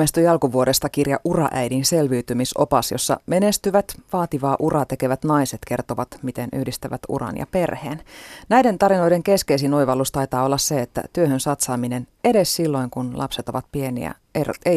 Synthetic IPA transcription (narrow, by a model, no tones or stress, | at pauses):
est̪ujɑlkuʋuoɾest̪ɑkirjɑ̰ʔurɑ̰ʔæjdinselʋyːt̪ymiso̞̰pɑsjosːɑ̰menest̪yʋæt̪ʋɑːt̪iʋɑːʔurɑt̪e̞keʋæt̪nɑjset̪ke̞rt̪oʋɑt̪mit̪enʔy̰hdist̪æʋæt̪ṵrɑ̰njɑ̰pe̞rhḛːnnæjde̞nt̪ɑɾino̞ideŋke̞skes̬inojʋɑlːust̪ɑit̪ɑːo̞lːɑsseet̪ːæ̰t̪yøhønsɑt̪sɑːminene̞dessilːo̞iŋkunlʔɑ̰pset̪o̞ʋɑt̪̚pie̞nḭæ̰ | ḛe